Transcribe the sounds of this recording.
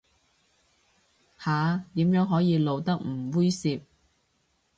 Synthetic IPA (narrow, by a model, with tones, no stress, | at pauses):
haː˨˧t̪iː˨˥mjœː˨˥ŋɦɔː˨˥jiː˨˧lo˨˧wt̪ɐ˥k̚m̩˨˩wuː˥jsiː˧p̚